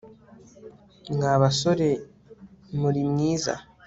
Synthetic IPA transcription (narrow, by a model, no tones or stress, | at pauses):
ŋɡaːβaso̞ɾe̞ | muɾimŋiːza̰